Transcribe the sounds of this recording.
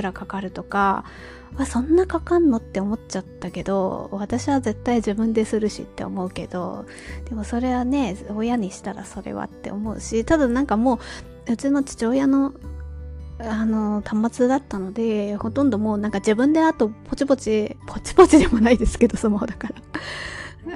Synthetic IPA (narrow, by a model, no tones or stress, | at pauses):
ɯɾakakaɾɯ̟t̪o̞ka̰ | βasõ̞nːakakãnːo̞t̪ːe̞o̞mo̞t͡ɕat̪ːake̞d̪o̞̰βat̪aɕiβaze̞t̪ːaiʑibɯ̟̃nd̪e̞sɨɾɯ̟ɕḭt̪ːe̞̰o̞̰mo̞ɯ̟ke̞̰d̪̥o̞̰ | d̪̥e̞mo̞so̞ɾe̞βane̞oːjaɲ̟iɕi̥t̪aɾa̰so̞ɾe̞̰βa̰t̪ːe̞̰o̞mo̞ɯ̟̰ɕit̪ad̪anãŋkamo̞ː | jot͡ɕino̞t͡ɕi̥t͡ɕo̞ːjano̞ | ano̞t̪ʰamːat͡sɨd̪at̪ːano̞d̪e̞ho̞t̪õnd̪o̞mo̞ːnãŋkad͡ʑibɯ̟̃nd̪e̞at̪o̞pʰo̞t͡ɕipo̞t͡ɕipʰo̞t͡ɕi̥po̞t͡ɕid̪e̞mo̞naid̪e̞sɨ̥ke̞d̪o̞somahod̪akaɾa